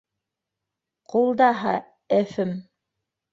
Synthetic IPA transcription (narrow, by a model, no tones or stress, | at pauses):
qulˠd̪ɑɦɑ | ɘfɘm